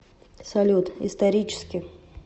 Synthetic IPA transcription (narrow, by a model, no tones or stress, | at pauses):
sɐlʲut̪ɪ̰st̪ɐɾʲit͡ɕɪ̥skʲɪ